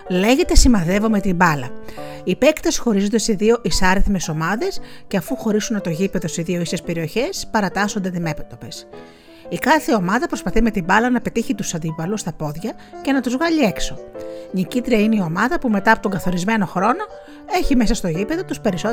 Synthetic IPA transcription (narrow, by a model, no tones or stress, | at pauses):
le̞ʝe̞t̪e̞simɐðe̞vo̞me̞t̪imbɐlɐ̰ | ipe̞kt̪e̞sxo̞ɾizo̞nd̪esiðio̞ʔisɐɾeθme̞so̞mɐðe̞sceɐfuxo̞ɾisunːɐt̪o̞ʝipe̞ðo̞st̪izðio̞isespe̞ɾio̞çe̞spɐɾɐt̪ɐso̞nd̪ed̪ime̞pit̪o̞pe̞s | ikɐθe̞o̞mɐðɐpɾospɐθime̞t̪imbɐlɐnɐpe̞t̪içit̪usɐnd̪ipɐlust̪ɐpo̞ðʝɐce̞nɐt̪uzvɣɐʎie̞kso̞ɲicit̪ɾiɐineio̞mɐðɐpume̞t̪ɐːpo̞t̪oŋɡɐθo̞ɾizme̞no̞xɾo̞no̞ | e̞çime̞sɐst̪o̞ʝipeðo̞t̪uspe̞ɾiso